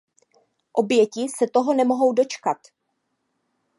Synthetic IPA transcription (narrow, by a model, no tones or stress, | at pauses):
ʔo̞bjɛcɪsɛt̪o̞ɦo̞nɛmo̞ɦo̞wdo̞t͡ʃkat̪